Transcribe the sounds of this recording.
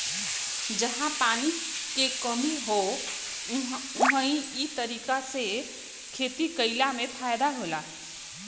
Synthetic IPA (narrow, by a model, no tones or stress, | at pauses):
d͡ʒəɦãpanikekəmiɦo | uɦəĩit̪əɾiːkase | kʰet̪ikəɪlamepʰajd̪aɦola